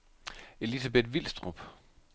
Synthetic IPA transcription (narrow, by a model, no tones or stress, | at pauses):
e̝lisæb̥e̝d̥ʋil̰sd̥ʁub̥